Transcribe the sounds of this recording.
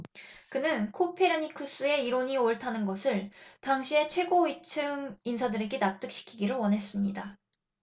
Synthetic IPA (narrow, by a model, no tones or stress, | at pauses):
kɯnɯnkʰopʰe̞ɾaɲikʰɯs͈ue̞iɾoɲioɭtʰanɯnɡʌsʰɯɭtaŋɕʰie̞t͡ɕʰwe̞ɡoit͡ɕʰɯŋinsʰadɯɾe̞ɡe̞nap̚t͈ɯk̚ɕ͈i̥kʰiɡiɾowʌnɦe̞s͈ɯmɲida